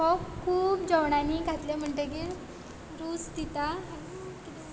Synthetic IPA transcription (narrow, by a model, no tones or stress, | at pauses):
ɔkʰuːpd͡ʑɔwɳaniɡʱat̪lem̤əɳʈ̪əkiɾ | ɾuːd͡zt̪it̪a